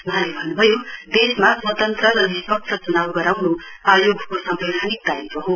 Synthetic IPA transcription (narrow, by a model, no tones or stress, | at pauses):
ʌɦãlebʱʌnːubʱʌjod̪esmaswʌt̪ʌnt̪rʌɾʌbispʌk̚t͡ʃʰʌt͡sunawɡʌɾawno | ajoɡʱkosʌmbeɾʱanik̚d̪aɾikʌɦo